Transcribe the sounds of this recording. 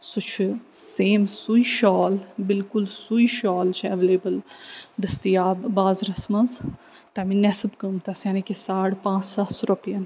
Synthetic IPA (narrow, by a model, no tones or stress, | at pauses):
sut͡ʃʰɨ | seːmsuiʃɔːlbɪlkulsuiʃɔːlt͡ʃʰɐʋeleːbɨld̪ɐst̪iaːbbaːzɾɐsmɐz | t̪ɐminɛsɨbkəmt̪ɐsjanikesaːɽpãːt͡ʃsasɾɐpijɐn